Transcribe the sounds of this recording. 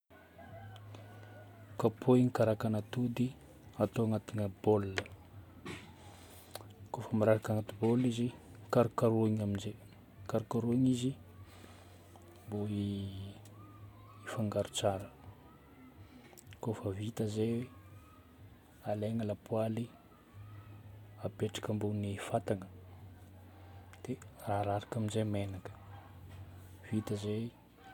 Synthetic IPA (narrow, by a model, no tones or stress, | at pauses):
kapʰoiŋikaɾakanat̪ud̪i | at̪oaŋat̪iŋəbolːə | kofəmaɾaɾakaŋat̪ibolːizikaɾukaɾuiɲaminze | kaɾukaɾuiɲizi | boi | ifaŋɡaɾu̥t͡saɾə | kofəvit̪əzejwe | aleŋəlapuali | apeʈ͡ʂḁkəmbonifat̪aŋə̥ | d̪̥eraɾaɾakaminzemenakə̥ | v̥it̪əzej